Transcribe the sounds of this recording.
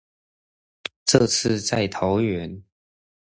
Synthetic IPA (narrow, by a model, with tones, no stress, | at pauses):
ʈ͡ʂɤ˥˧t͡sʰɹ̩˥˧t͡sa˥˩ɪt̪ʰo˧˦ʊɥɛ˧˦n